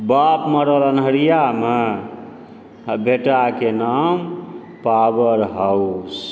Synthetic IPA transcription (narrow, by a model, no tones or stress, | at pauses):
bapməɾələnɦəɾijame | bʱeʈakenam | pawəɾɦaws